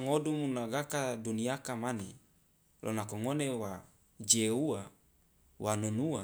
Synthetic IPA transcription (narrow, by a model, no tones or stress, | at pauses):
ŋodumunaɡakaduniakamane | lʔo̰nakoŋonewa | d͡ʒeua | wʔanonua